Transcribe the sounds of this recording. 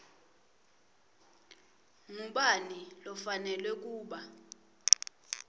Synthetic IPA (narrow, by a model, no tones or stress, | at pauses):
ŋuɓanilɔfanɛlwɛk̬uːɓa